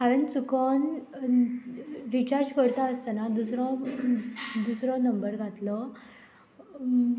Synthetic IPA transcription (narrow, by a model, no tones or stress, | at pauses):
ɦaɾənt͡sukən | ɾit͡ɕaɾd͡ʑkəɽt̪aəst̪anad̪usɾɔ | d̪usɾɔnəmbəɾɡʱat̪lə